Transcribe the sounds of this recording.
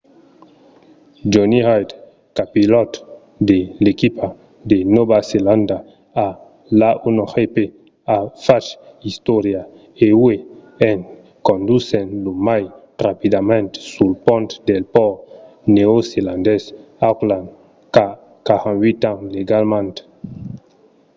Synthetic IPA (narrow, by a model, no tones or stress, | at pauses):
d͡ʒonihajd̪ | kapilɔt̪ | d̪elekipa | d̪enobaselãnd̪a | a | laʔunoxepe | afaʃist̪ɔɾja | ewwe | eŋ | kond̪usenlomaj | rapid̪amẽnt̪sulpɔ̃nt̪d̪elpɔ | neoselãnd̪es | aklãn | ka | kahãnwit̪ãŋleɡalmãnt̪